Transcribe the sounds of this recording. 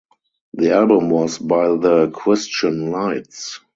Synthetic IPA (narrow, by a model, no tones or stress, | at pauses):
ðialbə̃mwɔsbaɪðəkʰɹɪst͡ʃə̃nlaɪts